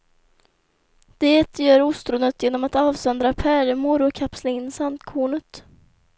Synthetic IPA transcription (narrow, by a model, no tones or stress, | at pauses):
d̪̥eːt̪ʰjœːɾʊst̪ɾʊnət̪jeːnɔmat̪ɑːvsɔnd̪ɾapʰæɾmʊɾʊkʰapslaɪnːsant̪kʰuːɳət̪